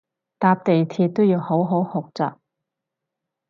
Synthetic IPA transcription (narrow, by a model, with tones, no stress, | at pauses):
t̪aː˧p̚t̪e˨jt̪ʰiː˧t̚t̪o˥wjiː˨˧who˨˥wɦo˨˥whʊ˨k̚t͡sa̰ː˨k̚